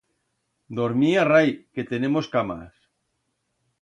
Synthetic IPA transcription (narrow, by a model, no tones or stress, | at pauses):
d̪oɾmiarajket̪enemoskama̰s